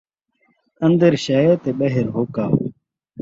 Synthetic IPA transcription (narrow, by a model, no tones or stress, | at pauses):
ə̃nd̪əɾɕaet̪eːɓɐɦɪɾɦoːka̰ː